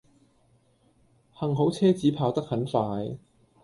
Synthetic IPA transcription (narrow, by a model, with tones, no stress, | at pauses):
hɐ˨˩ŋɦo˨˥wt͡sʰɛː˥t͡siː˨˥pʰaː˧wt̪ɐ˥k̚hɐ˨˥nfaː˧j